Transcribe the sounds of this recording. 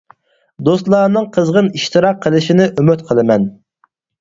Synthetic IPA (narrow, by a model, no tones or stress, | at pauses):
d̪ost̪lˠɑːnɨŋqʰəzʁəniʃt̪ɨɾɑqʰːəlˠɨʃinɪʔymyt̪qʰəlˠɨmɛn